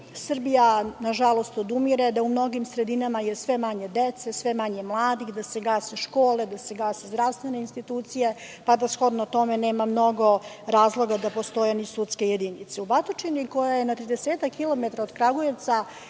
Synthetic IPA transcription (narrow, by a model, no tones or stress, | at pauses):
sr̩bijanaʒalˠo̞st̪od̪umiɾed̪aumno̞ɡimsɾe̞d̪inamajesʋe̞maɲe̞d̪et̪sesʋe̞maɲemlˠaːd̪ixd̪aseɡaːseʃko̞ːlˠe̞d̪aseɡaːsezd̪ɾaʋst̪vʋe̞neinst̪it̪uːt̪sije | pad̪asxo̞d̪not̪o̞mene̞ːmamno̞ɡo̞ɾaːzlˠo̞ɡad̪apo̞st̪o̞jenisut̪skejed̪init̪seubat̪ot͡ʃiniko̞jajenat̪ɾid̪eseːt̪akːilˠo̞met̪ɾaod̪kɾaɡojet̪sa